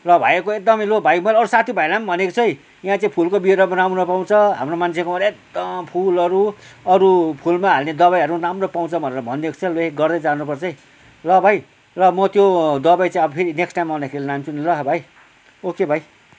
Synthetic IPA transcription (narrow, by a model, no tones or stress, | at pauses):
rʌbʱajekoek̚d̪ʌmʌjlobʱajmʌɾʌɾusat̪ʰjibʱajlambʱʌnekot͡sʰʌj | jɦãt͡saĩpʰulkobieɾamaɾamunʌpaw̃t͡sʰʌɦa̰mromant͡sʰekomaɾek̚d̪ʌmpʰulʌɾuʌɾupʰulmaɦalned̪ʌβajɦʌɾuramropaw̃t͡sʰʌbʱʌneɾʌbʱʌnːeko̥t͡sʰʌloeɡʌrd̪ʌd͡zanupʌrt͡sʰʌi | lʌbʱaj | rʌmʌt̪jod̪ʌbajt͡saĩʌbʌpʰeɾineksʈajmːãd̪akʰeɾilnamt͡sʰunilʌɦbʱaj | okebʱaj